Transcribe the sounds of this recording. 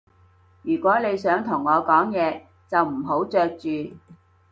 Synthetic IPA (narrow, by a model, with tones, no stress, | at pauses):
jyː˨˩kʷɔː˨˥ne˨˧jsœː˨˥ŋt̪ʰʊ˨˩ŋːɔː˨˧kɔː˨˥ŋjɛː˨˧ | t͡sɐ˨wm̩˨˩ɦo˨˥wt͡ʃœː˧k̚t͡ʃyː˨